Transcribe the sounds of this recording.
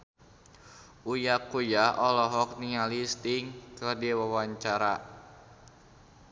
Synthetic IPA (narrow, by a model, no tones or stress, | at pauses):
ujakujaʔɔlɔɦɔk̚niŋalist̪ɪŋkɨrdiwawaɲt͡ʃaɾa